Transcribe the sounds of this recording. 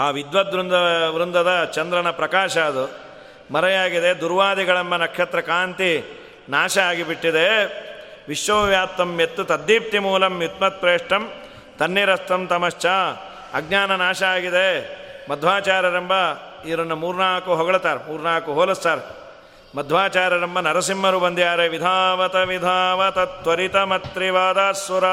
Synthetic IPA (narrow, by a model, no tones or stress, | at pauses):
aːʋid̪ʋɐd̪ɾund̪ɐʋɾund̪ɐd̪ɐt͡ʃɐnd̪ɾɐnɐpɾɐkaːʃɐɐd̪u | mɐɾɐjaːɡid̪ed̪uɾʋaːd̪iɡɐɭɐmbɐnɐkʂɐt̪ɾɐkaːnt̪i | naːʃɐaːɡibiʈːid̪e | ʋiʃʋɐʋjaːpt̪ːɐmjet̪ːut̪ɐd̪ːiːp̚t̪imuːlɐmjut̪mɐt̪̚pɾeːʂʈɐm | t̪ɐnːiɾɐst̪ɐmt̪ɐmɐʃt͡ʃaː | ɐɡɲaːnɐnaːʃɐaːɡid̪emɐd̪ʱʋaːt͡ʃaːɾɐɾɐmbɐiʋɾɐnːumuːɾunaːɭɐkuɦoɡɐɭɐt̪aːɾemuːɾnaːɐkuɦoːlɐst̪aːɾe | mɐd̪ʱʋaːt͡ʃaːɾɐɾɐmbɐnɐɾɐsimːɐɾubɐnd̪ijaːɾeʋid̪ʱaːʋɐt̪ɐʋid̪ʱaːʋɐt̪ɐt̪ʋɐɾit̪ɐmɐt̪ɾiʋaːd̪aːsʋɐɾɐ